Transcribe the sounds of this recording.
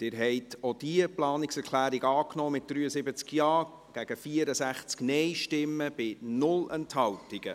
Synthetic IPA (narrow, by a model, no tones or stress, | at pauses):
d̥ɪːɾɦɛɪtʰod̥iəplɑːnɪksɛɾklæːɾiɡɑːknɔːmɪt̚d̪̥ɾyːəsɪbət͡skjɑː | ɡ̥æɡ̥əfiəɾəsæχt͡sknɛjʃtɪmːəb̥ɪnʊlɛnthɑwtɪɡ̥ə̰